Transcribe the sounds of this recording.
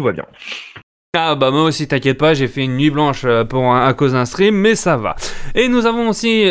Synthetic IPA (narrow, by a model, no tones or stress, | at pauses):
vwa̰bjɛ̰̃ | abamwaosit̪ɛ̃kjɛt̪̚paʒefɛynːɥiblɑ̃ʃøpuʁ̃akozɛ̃st̪χimːɛsava̰enuzavɔ̃osi